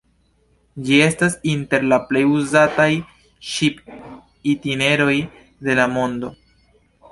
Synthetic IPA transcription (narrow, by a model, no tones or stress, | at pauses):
d͡ʒie̞stasinte̞ɾlaple̞juzataj | ʃip | itine̞ɾo̞j | de̞lamo̞ndo̞